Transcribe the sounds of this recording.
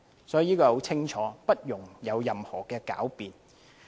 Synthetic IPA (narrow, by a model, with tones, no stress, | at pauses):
sɔː˨˥ji˨˧niː˥kɔː˧ho˨˥wt͡sʰɪ˥ŋt͡ʃʰɔː˨˦pɐ˥t̚jʊ˨˩ŋjɐ˨˧wjɐ˨mhɔː˨˩kɛː˧ka̰ː˨˥wpiː˨n